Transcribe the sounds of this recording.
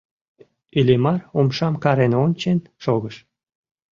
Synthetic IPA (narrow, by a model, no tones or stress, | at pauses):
ylʲemɑromʃɑmkɑɾenonʲt͡ɕenʃoɣəʃ